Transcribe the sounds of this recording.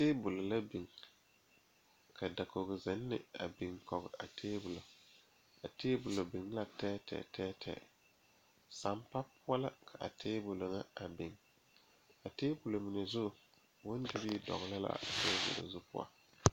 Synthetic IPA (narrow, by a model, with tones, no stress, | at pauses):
teː˦bʊ˨lo˨la˦bi˨ŋ | kʰa˨da˨ko˨ɡɪ˨zɪ˨˦nːɪ̰˦a˨bi˨ŋkɔ˨ɣɪ˨ʔa˨tʰeː˦bʊ˨lo˨ | a˨teː˦bʊ˨lo˨bi˨ŋla˦tɛː˦tʰɛ̰ː˨tʰɛː˦tʰɛ̰ː˨ | sa˨mpa˦pʰʊ˦a˦la˦kʰa˨ʔa̰˨tʰeː˦bʊ˨lo˨ŋa˦a˨bi˨ŋ | a˨teː˦bʊ˨lo˨mɪ˨nɪ˨zʊ˦ | wʊ˦ndɪ˦bi˦dɔ̰˨ɣla˦la̰˦a˨teː˦bʊ̰˨lo̰˨zʊ˦pʰʊ̰˦a̰˨